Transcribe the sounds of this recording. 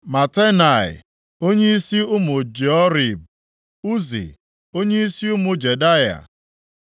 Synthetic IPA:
ma˨te˦na˨ɪ̰˨ | o˦ɲe˦i˦si˦ʊ˦mʊ˨d͡ʒe˨ɔ˦ɾi˨b̚ | u˦zḭ˨ | o˦ɲe˦i˦si˦ʊ˦mʊ˨d͡ʒe˨da˦ja̰˨

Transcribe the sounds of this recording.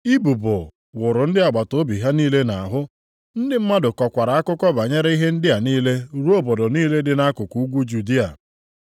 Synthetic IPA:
i˦bu˨bʊ˨ | wʊ˨ɾʊ˨n̩˦dɪ˦a˨ɡ͡ba˨to˦bi˨ɦa˦niː˦le˦na˨a˨ɦʊ˦ | n̩˦dɪ˦m̩˦ma˦dʊ˨kɔ˨kʷa˨ɾa˨a˦kʊ˦kɔ˦ba˨ɲe˦ɾa˦i˦ɦe˦n̩˦dɪ˦a˨niː˦le˦ɾu˦o˦bɔ˨dɔ˨niː˦le˦dɪ˦na˦kʊ˨ku˨u˦ɡʷu˦d͡ʒu˨di˦a˨

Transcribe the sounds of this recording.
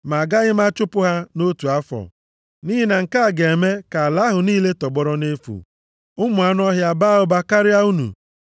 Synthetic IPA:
ma˨ɡa˦ɣɪ˦ma˦t͡ʃʊ˦pʊ˦ɦa˦no˦tu˨a˦fɔ̰˨ | ni˦ɦi˦na˨ŋ̩˨ka˦˨ɡe˨e˨me˦ka˨a˨la˦ɦʊ˨niː˦le˦tɔ˨ɡ͡bɔ˦ɾɔ˦ne˦fṵ˨ | ʊ˦mʊ˨a˨˦n˦ɔ˦ɦja˨ba˦ʊ˦ba˦ka˦ɾɪ˦a˦u˦nṵ˨

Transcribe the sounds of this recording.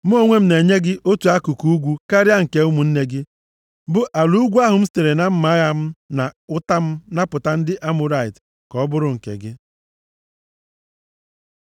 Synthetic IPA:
m̩˦o˦ŋʷe˦m̩˦ne˨ɲe˦ɡɪ˦ʔo˦tu˨a˦ku˨ku˦u˦ɡʷu˦ka˦ɾja˦ŋ̩˨ke˨ʊ˦mu˨n̩˦ne˦ɡɪ˦ | bʊ˦ʔa˨lu˦ɡʷu˦a˦ɦʊ˨m̩˦ste˨ɾe˨na˨m̩˦ma˨˦ɣa˦m̩˦na˨ʊ˦ta˦m̩˦na˦pʊ˨ta˦n̩˦dɪ˦ʔa˦mʊ˨˦ɾa˦˨ɪ˨t | kɔ˨˦bʊ˦ɾʊ˨ŋ̩˨kḛ˨ɡɪ˦

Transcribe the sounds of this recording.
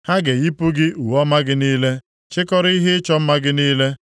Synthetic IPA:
ha˦ɡe˨i˦pu˦ɡɪ˦u˨wɔ˦ma˦ɡɪ˦niː˦le˦ | t͡ʃɪ˦kɔ˦ɾi˦ɦɪ˦ɪ˦t͡ʃɔ˦m̩˦ma˦ɡɪ˦niː˦le˦

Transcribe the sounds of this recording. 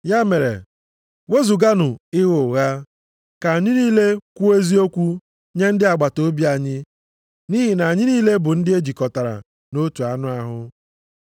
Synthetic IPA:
ja˦me˨ɾḛ˨ | we˦zu˨ɡa˦nʊ˨ɪ˦ɣʊ˨ɣa˦ | ka˨a˨ɲɪ˦niː˦le˦kʷu˦e˦zi˦o˦kʷu˦ | ɲe˦n̩˦dɪ˦a˨ɡ͡ba˨to˦bi˦a˨ɲɪ˦ | ni˦ɦi˨na˨a˨ɲɪ˦niː˦le˦bʊ˨n̩˦dɪ˦e˦d͡ʒi˨kɔ˨ta˨ɾa̰˨ | no˦tu˨a˨nʊ˦a˦ɦʊ˦

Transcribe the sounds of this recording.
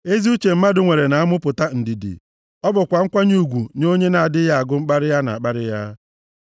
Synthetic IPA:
e˦zi˦u˦t͡ʃe˨m̩˦ma˦dʊ˨ŋʷe˨ɾe˨na˨a˦mʊ˦pʊ˨ta˦n̩˨di˨dḭ˨ | ɔ˦bʊ˨kʷa˨ŋ̩˦kʷa˦ɲu˦u˨ɡʷu˨ɲo˦ɲe˦na˨a˨dɪ˦ja˦a˨ɡʊ˦ŋ͡m̩˦k͡pa˦ɾɪ˦ja˦na̰˨a˨k͡pa˦ɾɪ˦ja˦

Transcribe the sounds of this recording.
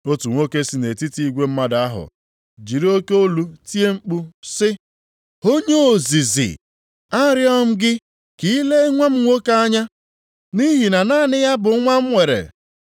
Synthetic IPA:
o˦tu˨ŋʷo˦ke˦si˦ne˨ti˦ti˦i˦ɡʷe˦m̩˦ma˦da˦ɦʊ̰˨ | d͡ʒi˨ɾi˦o˦ke˦o˦lu˦ti˦e˦ŋ͡m̩˦k͡pu˦sɪ˦ | o˦ɲe˦o˨zi˨zɪ̰˨ | a˦ɾjɔ˦m̩˦ɡɪ˦ | ki˦le˦ŋʷa˦m̩˦ŋʷo˦ka˦ɲa˦ | ni˦ɦi˨na˨naː˦˨nɪ˦ja˦bʊ˨˦ŋʷa˦m̩˦ŋʷe˨ɾḛ˨

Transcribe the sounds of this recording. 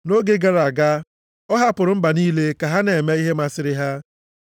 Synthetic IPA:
no˦ɡe˦ɡa˦ɾa˨ɡa˦ | ɔ˦ɦa˦pʊ˨ɾʊ˨˦m̩˦ba˨niː˦le˦ka˨ɦa˦ne˨e˨me˦i˦ɦe˦ma˦sɪ˨ɾɪ˦ɦa˦

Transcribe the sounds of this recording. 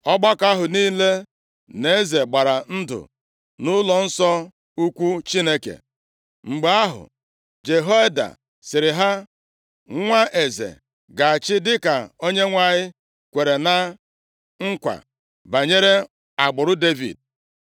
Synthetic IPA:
ɔ˦ɡ͡ba˦ka˦ɦʊ˨niː˦le˦ | ne˨e˦ze˨ɡ͡ba˨ɾa˨n̩˦dʊ̰˨ | nʊ˦lɔ˨n̩˦sɔ˦ | u˦kʷu˦t͡ʃi˦ne˦kḛ˨ | ŋ͡m̩˨ɡ͡be˨a˦ɦʊ̰˨ | d͡ʒe˨ɦo˦e˦da̰˨ | sɪ˨ɾɪ˨ɦa˦ | ŋʷa˦ʔe˨zḛ˨ | ɡa˨a˨t͡ʃɪ˦dɪ˦ka˨o˦ɲe˦ŋʷa˦˨ɲɪ˦ | kʷe˨ɾe˨na˦ | ŋ̩˦kʷa̰˨ | ba˨ɲe˦ɾe˦ | a˨ɡ͡bʊ˨ɾʊ˦de˦vḭ˨d̚

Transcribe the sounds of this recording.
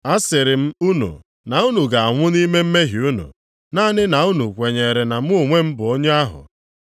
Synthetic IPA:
a˦sɪ˨ɾɪ˨m̩˦u˦nṵ˨ | na˨u˦nu˨ɡa˨a˨ŋʷʊ˦ni˦me˦m̩˦me˦ɦi˨u˦nṵ˨ | naː˦˨nɪ˦na˨u˦nu˨kʷe˨ɲe˨ɾe˨na˨m̩˦u˦˨ŋʷe˦m̩˦bʊ˨o˦ɲe˦a˦ɦʊ̰˨

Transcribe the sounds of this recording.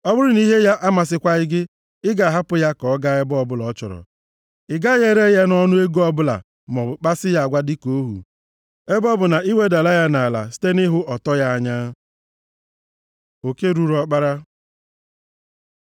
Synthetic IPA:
ɔ˦bʊ˦ɾʊ˦ni˦ɦe˦ja˦ʔa˦ma˨s̬ɪ˦kʷa˦ɪ˦ɡɪ˦ | ɪ˦ɡa˨ɦa˦pʊ˦ja˦kɔ˨ɔ˦ɡa˦ɛ˦bɔ˦bʊ˦lɔ˨˦t͡ʃɔ̰˨ɾɔ̰˨ | ɪ˨ɡa˦je˦ɾe˦ja˦nɔ˦nʊ˦e˦ɡu˦ɔ˦bʊ˦la̰˨ | mɔ˨ʊ˨k͡pa˦sɪ˦ja˦a˨ɡʷa˦dɪ˦ko˨˦ɦṵ˨ | e˦bɔ˦bʊ˨na˨i˦we˦da˨la˦ja˦na˨la̰˨si̥˦te˦ni˦ɦʊ˦ʔɔ˨tɔ˦ja˦a˦ɲa˦ | o˨ke˦ɾu˨ɾɔ˨k͡pa˦ɾa˦

